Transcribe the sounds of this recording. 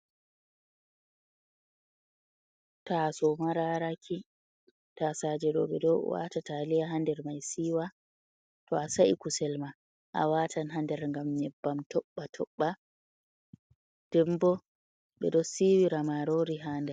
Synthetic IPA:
tasɔmaɾaɾakʰi | tasad͡ʒɛɗɔ̰ɓɛ̰ɗɔwa̰tatalijaɦandɛɾmajsiːwa | tɔasaʔikusɛlma | ʔa̰watʰanɦandɛɾŋɡamɲɛbːamtɔɓːatʰɔɓːa | d̥ɛmbɔ | ɓɛ̰ɗɔsiwiɾamaɾoɾiɦaːndɛɾ

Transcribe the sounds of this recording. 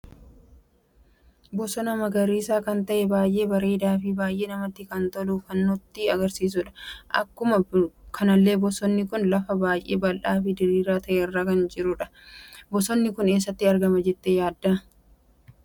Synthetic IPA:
bɔsɔnɐmɐɡɐɾiːsaːkɐnt̪ɐʔɛbaːjʔe̞ːbɐɾeːd̪aːfɪbaːjʔe̞ːnɐmɐt̪ːɪkɐnt̪ɔluːfɐnːɔt̪ːɪɐɡɐɾsiːs̬ʊᶑɐ̥ʔɐ̰kːʊmɐkʰɐnɐlːe̞ːbɔsɔnːɪkʊnlɐfɐbaːjʔe̞̰ːbɐlʔaːfɪd̪ɪɾiːɾaːt̪ʰɐʔeːɪrːaːkɐnd͡ʒɪɾʊᶑɐ̥bɔsɔnːɪkʊne̞ːs̬ːɐt̪ːɪɐɾɡɐmɐd͡ʒɛt̪ːejaːd̪ːɐ

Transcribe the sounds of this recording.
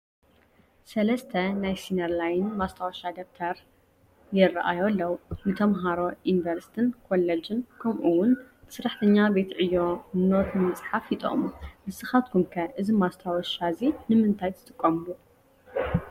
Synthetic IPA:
sɐlɐst̪ʰɐnajsinɐɾlajnmast̪ʰawɔʃad̪ɐf̚t̪ʰɐɾ | jɪrːaʔa̰jolːɐwunɨt̪ʰɐmɦaɾo̞ʔinvɐɾst̪ʰɨnkʰolɐd͡ʒɨnkʰɐmʔuwʊnsɨɾaħt̪ʰɐɲːabe̞t̪ʕɨjːonot̪ɨmɐt͡sʼħafjit̪ʼo̰χʼmumɨsɨxat̪̚kʰumkʰɐʔɨzimast̪ʰawɔʃazinɨmɨnt̪ʰajt̪ʰɨ̥t̪ʼɨkʼːɐmɨlu

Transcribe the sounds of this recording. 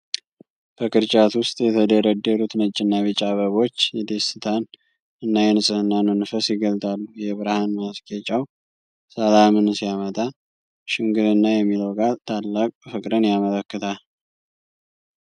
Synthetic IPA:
b̥əkɨɾt͡ʃʼat̪wʊst̪ʼjɛt̪ʰəd̪əɾəd̪ːəɾut̪nət͡ʃʼːɪnːaβɨt͡ʃʼaβəβo̞t͡ʃːjɛd̪esɨt̪ʰan | ɨnːajɛnɨsʼɨhɨnːanənɨfəsjɪɡəlt̪ʼalːujɛβɨɾhanmaskʰʼet͡ʃʼaw | səlamɨnsijamət̪ʼa | ʃɪŋɡɨɾɨnːajɛmːiləwɡʼalt̪ʰalːakʼfɨkʼɾənjamələkːɨt̪ʰal

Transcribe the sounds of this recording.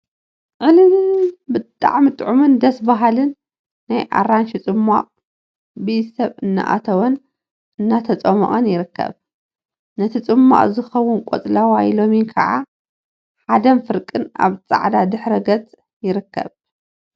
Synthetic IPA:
ʕɨlɨnbɨt̪ʼa̰ʕmɨt̪ʼʕumɨnd̪ɐsbaɦalɨnː | ajʔa̰rːanʃit͡sʼɨmːa̰ʔʼ | bɨjsɐβɨnːa̰ʔa̰t̪ʰɐwɐn | ʔɨnːat̪ʰɐt͡sʼɐmɐ̰ʔʼɐnjɪɾɨkʰːɐ̰β | nɐt̪ʰit͡sʼɨmːa̰ʔʼzɨxɐwːʊnkʼo̰t͡sʼlawajlominkʰɐʕa | ħad̪ɐmfɨɾkʼɨna̰βt͡sʼa̰ʕd̪ad̪ɨħɾɐɡɐt͡sʼ | jɪɾɨkːɐ̰β

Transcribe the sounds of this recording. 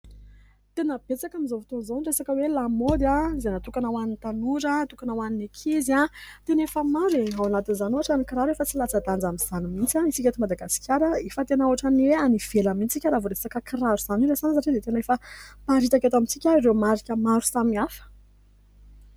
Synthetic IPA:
t̪enəb̥et͡sakamizofit̪onzaresakəwelamod̪jazenat̪ukanawanint̪anuɾət̪ukanawaninekʰiziat̪enefəmaɾeawanat̪inzanuaʈ͡ʂanikiɾaɾefət͡silat͡sad̪and͡zamiz̥animint͡saisikʲet̪imad̪aɡasi̥kʲʰaɾəefət̪enauaʈ͡ʂanieaniv̥elamint͡sikʲəɾavuɾesakəkiraɾuz̥aniɾezans̬aʈ͡ʂid̪et̪enaefəpaɾit̪akat̪amit͡sikʲairewmaɾikʲəmaɾu̥samiafə̥

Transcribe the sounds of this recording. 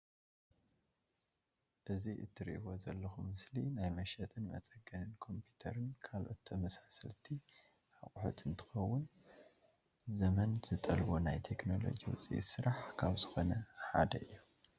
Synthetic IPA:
ʔɨziʔɨ̰t̪ʰːɨɾḭʔwozɐlːɐxumːɨslinajmɐʃɐt̪ʼɨnmɐ̰t͡sʼɐɡɐnɨnkʰo̞mpʰut̪ʰɐɾɨnkʰalʔo̞̰t̪ːʰɐmɐsasɐlt̪ʰi | hakʼħṵt̪ʰɨnt̪ʰɨ̥xɐwːʊn | zɐmɐnz̥ɨt̪ʼɐlbo̞najt̪ʰe̞kno̞lo̞̰d͡ʒiwʊ̰t͡sʼḭsɨɾaħkʰaβzɨxo̞nɐħa̰d̪ɐ̰ɨ̰jːu

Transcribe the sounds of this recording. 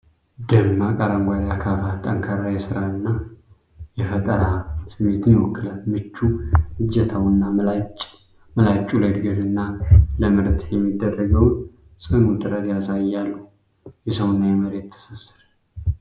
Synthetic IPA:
d̪ənmakʼaɾamɡʷad̪jakʰafat̪ʼəŋkʰaɾajɛsɨɾanːa | jɛfət̪ʼəɾasɨmːet̪ʰɨnɪwɔkːɨlanmɨt͡ʃːuhɨd͡ʒːɛt̪ʰawnːa | məlat͡ʃʼːuləd̪ɡəɾɨnːaləmɨɾt̪ʰjjɛmːid̪ːərːəɡəwn | sʼɨhnut̪ʼɨɾəd̪jasajːalːəh | jɛsəwnːajɛməɾet̪ʰːɨ̥səsːɨɾ

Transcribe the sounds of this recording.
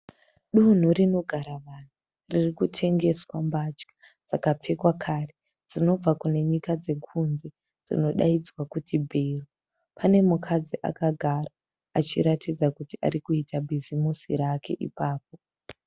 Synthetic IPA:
ɗun̤uɾino̞ɡʱaɾaʋan̤u | ririkutʰe̞ŋɡe̞swambat͡ʃkḁ | d͡z̥akap͡fe̞kwakʰaːre | d͡zino̞b͡vakune̞ɲikad͡ze̞kʰunze̞ | d͡zḭno̞ɗa̰id͡zwakutibʱeru | pʰane̞mukʰad͡ziʔa̰kaɡʱaraː | t͡ʃiɾatid͡zakutiʔa̰ɾikuitabʱizimusḭɾake̞ʔḭpaːp̚o

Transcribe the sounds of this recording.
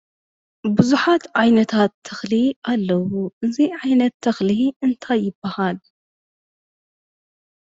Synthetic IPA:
bɨzuħat̪ʕajnɐt̪ʰat̪ʰːɐxliʔalːɐwuʔɨziʕajnɐt̪ʰːɐxliɨnt̪ʰajːɪbːɐhal

